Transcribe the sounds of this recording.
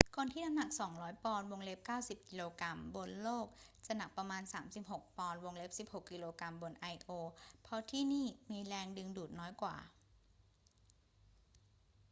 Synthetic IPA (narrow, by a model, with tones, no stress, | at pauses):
kʰo˧nt̪ʰiː˥˩na˦˥mna˨˩k̚sɔː˩˦ŋɾɔː˦˥jpɔː˧nwo˧ŋle˦˥p̚kaː˥˩wsi˨˩p̚kiː˧loː˧kɾa˧mbo˧nloː˥˩k̚t͡ɕa˧˩na˨˩k̚pɾa˧maː˧nsaː˩˦msi˨˩p̚ho˨˩k̚pɔː˧nwo˧ŋle˦˥p̚si˨˩p̚ho˨˩kːi˧loː˧kɾa˧mbo˧nʔa˧jʔoː˧pʰɔ˦˧˥t̪ʰiː˥˩niː˥˩miː˧lɛː˧ŋdɯ˧ŋduː˨˩t̪̚nɔː˦˥jkwa̰ː˨˩